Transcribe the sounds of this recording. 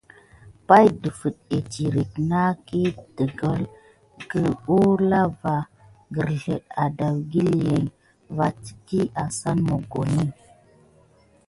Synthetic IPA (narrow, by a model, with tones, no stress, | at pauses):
pa˦jdə˨fə˨t̚e˨ti˨ɾi˨k̚na˦ki˦d̥ə˨ɡə˨l | ɡə˨o˦la˦va˦ | ɡə˨ɾɬə˨ɗa˨da˨wɡi˦lje˨ŋ | va˦ti̥˨ki˦ʔa˨sa˦nmo˨ɡo˨ni˦